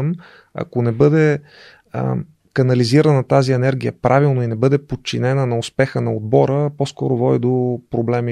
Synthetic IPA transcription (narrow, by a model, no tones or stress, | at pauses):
m | ɐ̰konɛbɤd̪ɛ̰ | kɐnɐliziɾənɐt̪aziɛnɛɾɡʲijə̰pɾʔavilˠnoinɛbɤd̪ɛpot̚t͡ʃːinɛnənɐʊspɛxənɐod̪̚bɔɾəposkɔɾovɔd̪id̪opɾoblɛmi